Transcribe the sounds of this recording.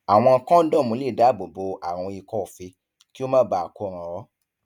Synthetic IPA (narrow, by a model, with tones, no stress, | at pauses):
a˨w̃ɔ̃˧kɔ̃˦dɔ̃˦˨mũ˦li˦˨da˨˦˨bo˨bo˧a˨ɾ̃ɔ̃˧i˧kɔ˦˨fi˧ | ki˦o˦mãː˦˨ba˨a˨ko˧˨ɾ̃ã˨ɾɔ˨˦